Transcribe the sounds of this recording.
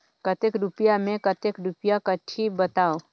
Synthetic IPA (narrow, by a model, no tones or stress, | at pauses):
kət̪ekɾupjamẽkət̪ekɾupjakəʈʰibət̪aːo